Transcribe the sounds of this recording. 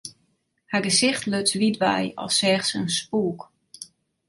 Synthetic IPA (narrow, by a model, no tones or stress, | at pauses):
haɡəsɪxtløtʋidʋɛ̰jɔ̰sɛːχsənspuːk